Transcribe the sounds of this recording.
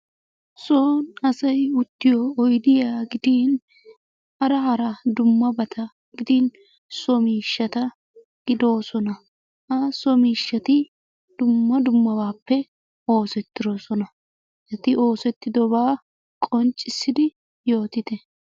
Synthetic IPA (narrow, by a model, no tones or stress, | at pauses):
soːnɐsɐjʊt̪ːɪjɔːjd̪ɪjaːɡɪd̪iːn | ʔɐɾɐhɐɾɐd̪ʊmːɐbɐt̪ʰɐ | ɡ̥ɪd̪iːn | sɔmiːʃːɐt̪ɐ | ɡ̥ɪd̪o̞ːsɔnɐ | ɐsɔmiːʃːɐt̪ɪ | d̪̥ʊmːɐd̪ʊmːɐbaːpːɛ | o̞ːsɛt̪ːɪɾosɔnɐ | ɐt̪ɪʔo̞ːsɛt̪ːɪd̪ɔbaː | kʼɔnt͡ʃʼːɪsːɪd̪ɪ | jo̞ːt̪ɪd̪ɛ